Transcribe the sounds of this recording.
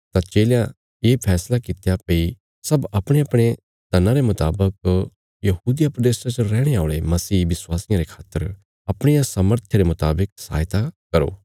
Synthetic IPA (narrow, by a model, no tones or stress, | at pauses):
t̪at͡ʃeːljã | jeːpʰɛːslakɪt̪japei | sɐbɐpɽ̃eɐpɽ̃e | t̪ɐnãɾemʊt̪a̰ːbək̚ | jɐɦuːd̪ɪjapɾɐd̪eːst̪ãt͡ʃoɾɛːɽ̃eaːʊɭemɐsiːʋɪswaːsɪjãɾekʰaːt̪ːəɾ | ɐpɽ̃ijãsɐməɾt̪ʰeɾemʊt̪aːbɪk̚sa̰ːjt̪akɐɾo̰ː